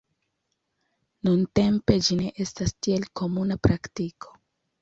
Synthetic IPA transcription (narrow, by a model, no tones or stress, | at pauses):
nunte̞mpe̞d͡ʒine̞ʔe̞stastie̞lko̞munapɾaktikʰo̞̥